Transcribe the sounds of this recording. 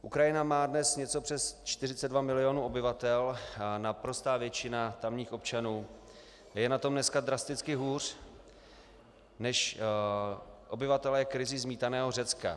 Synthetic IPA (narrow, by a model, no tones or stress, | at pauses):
ʔukɾajɪnamaːdnɛsɲɛt͡so̞pr̥ɛst͡ʃt̪ɪrɪt͡sɛdvamɪlɪo̞nuːo̞bɪvat̪ɛlnapɾo̞st̪aːvjɛt͡ʃɪnat̪amɲiːxo̞p̚t͡ʃanuː | jɛnat̪o̞mnɛskad̪ɾast̪ɪt͡skɪɦuːr̝̥ | nɛʃ | ʔo̞bɪvat̪ɛlɛjɛkɾɪzɪzmiːt̪anɛːɦo̞rɛt͡ska̰